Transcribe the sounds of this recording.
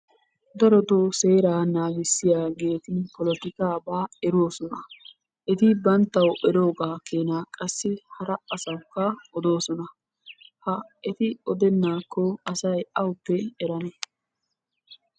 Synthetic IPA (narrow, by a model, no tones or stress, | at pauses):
d̪ɐɾɔt̪oːse̞ːɾaːnaːɡɪsːɪjaːɡe̞ːt̪ɪnpɔlɔt̪ɪkaːbaːɛɾoːsɔnɐ | ʔɛt̪ɪbɐnt̪ːɐwʔɛɾo̞ːɡaːkʰeːnaːkʼɐsːɪhɐɾɐɐsɐkːɐɔd̪o̞ːsɔnɐ | hɐɛt̪ɪɔd̪ɛnːaːkːɔɐsɐjɐwʊpːɛɛɾɐnɛ